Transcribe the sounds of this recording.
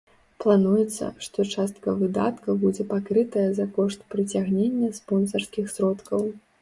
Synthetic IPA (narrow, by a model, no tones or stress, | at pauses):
plˠanujɛt̪sːɐ̰ʂt̪ɔt͡ʂast̪kɐvɨd̪a̰t̪kɐbud͡zʲɛpakɾɨt̪ɐjɐzɐkɔʂt̪pɾɨt͡sʲaɣnʲenʲːɐspɔnsɐrskʲixsɾɔt̪kɐw